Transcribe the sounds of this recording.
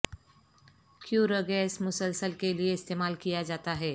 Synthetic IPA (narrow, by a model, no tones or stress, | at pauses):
kjuːɾəɡɛɪsmʊsəlsəlkelieɪst̪eːmaːlkijad͡ʒaːt̪aɦɛː